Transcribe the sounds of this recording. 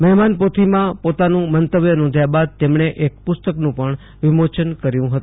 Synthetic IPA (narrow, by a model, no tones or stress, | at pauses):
məɦmanpot̪ʰimãpot̪anũmənt̪əʋjənɔ̃nd̪ʱjabad̪̚t̪emɳeʔek̚pʊst̪əknũpəɳ | ʋimot͡ʃənkəɾjũɦət̪ũ